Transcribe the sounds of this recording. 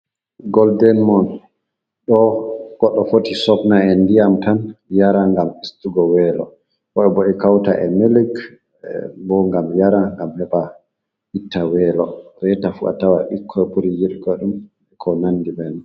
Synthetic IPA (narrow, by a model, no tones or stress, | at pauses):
ɡɔldɛnmɔn | ɗɔɡ̥ɔɗːɔfotisɔpnaɛndijamtanjaɾaŋɡamistuɡɔwɛːlɔ̰ | kɔɛboɗikawta̰ʔɛmeliɡ | bɔŋɡamjaɾaŋɡamhɛba | itːawɛlɔbɛtafuʔa̰tawaʔikʰːɔɛbuɾijiɗɡɔɗum | kʰɔnanːdibɛn